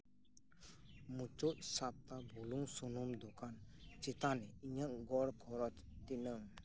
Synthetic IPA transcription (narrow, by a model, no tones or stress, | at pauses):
mut͡ʃot̪̚sap̚t̪abʱuluŋsunumd̪okant͡ʃet̪anɛiɲəʔɡɔɾkʰɔɾɔt͡ʃ | t̪inəŋ